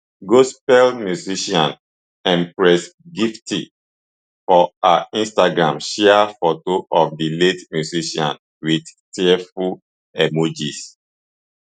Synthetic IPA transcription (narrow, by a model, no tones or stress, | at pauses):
ɡospɛlmjuziʃɔ̃n | ɛ̃npɹɛsɡiftḭ | fɔaĩnstaɡɹãmʃɛafotoʔɔfdiletmjuziʃɔ̰̃n | widtɛɛful | ɛmod͡ʒis